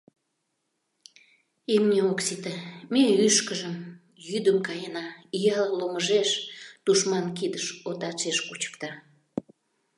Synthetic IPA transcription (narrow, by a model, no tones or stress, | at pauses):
imnʲeoksit̪əmeyʃkəʒəm | jyd̪əmkɑjənɑijɑlloməʒeʃt̪uʃmɑnkid̪əʃot̪ɑt͡ʃeʃkut͡ɕə̥kt̪ɑ